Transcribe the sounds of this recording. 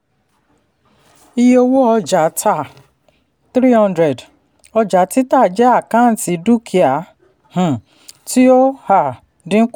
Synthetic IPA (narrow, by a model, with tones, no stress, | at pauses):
i˧jo˧wo˦ɔ˧d͡ʒa˨˦tʰa˦˨ | tɾi˦hɔ̃˦ndɾɛ˨d | ɔ˧d͡ʒa˨˦ti˦ta˦˨d͡ʒɛ˦a˦˨kã˦n̩˨ti˨˦du˦kʰi˨a˨ | h̩˨ | ti˦o˦ha˦˨ | dĩ˦k